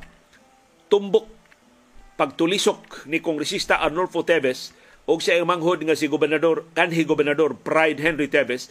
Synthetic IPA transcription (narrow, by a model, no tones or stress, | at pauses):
t̪ʊmbʊk̚ | paɡ̚t̪ʊlisʊk̚nikoŋɡɾɛsist̪aʔaɾnolfot̪ɛbɛs | ʔʊɡsimaŋɦʊd̪̚ŋasiɡobɛrnad̪orkanɦiɡobɛɾnad̪orpɾajd̪ɦɛnɾit̪ɛbɛs